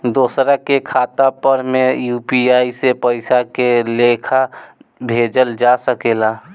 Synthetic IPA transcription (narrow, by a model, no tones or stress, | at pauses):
d̪oːsɾakekʰaːt̪apəɾmejuːpiaːisepəɪsakelekʰabʱeːd͡ʒəld͡ʒasəkeːla